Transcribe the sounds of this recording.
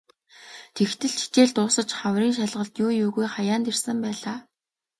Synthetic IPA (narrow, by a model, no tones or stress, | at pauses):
t̪ʰext̪ɘ̆ɮt͡ɕʰi̥t͡ɕeːɮt̪ʊːsə̆t͡ɕχawriːnʃaɮʁə̆ɮt̪juːjuːɣujχajaːnt̪ersə̆mpæːɮaː